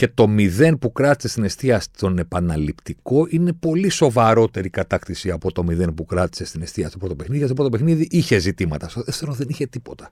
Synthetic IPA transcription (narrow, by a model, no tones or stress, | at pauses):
ce̞t̪o̞miðe̞npukɾɐt̪i̥sest̪inest̪iɐst̪o̞ne̞pɐnɐlipt̪iko̞ʔine̞po̞liso̞vɐɾo̞t̪e̞ɾikɐt̪ɐkt̪isiɐpo̞t̪o̞miðe̞npukɾɐt̪i̥se̞st̪ine̞st̪iɐst̪opɾot̪o̞pe̞xniðicest̪opɾot̪opexniðiʔiçe̞zit̪imɐt̪ɐst̪oðefθeɾonðe̞niçe̞t̪ipo̞t̪ɐ̥